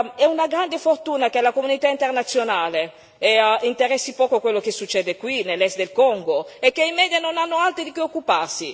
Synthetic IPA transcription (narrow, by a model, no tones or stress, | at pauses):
ɛunaɡɾand̪efort̪uːnak̟elakomunit̪aint̪ernat̪sːjonaːle | ɛint̪eɾɛsːipɔːkokwelːok̟esːut͡ʃːɛːd̪ekwinelːɛst̪d̪elkɔŋɡoekːeimɛːd̪janonanːoalt̪ɾid̪ipeokːuparsi